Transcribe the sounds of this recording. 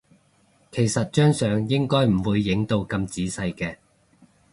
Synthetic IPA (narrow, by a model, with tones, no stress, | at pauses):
kʰe˨˩jsɐ˨t̚t͡ʃœː˥ŋsœː˨˧ŋjɪ˥ŋkɔː˥jm̩˨˩wuː˨˧jːɪ˨˥ŋt̪o˧wkɐ˧mt͡siː˨˥sɐ˧jkɛː˧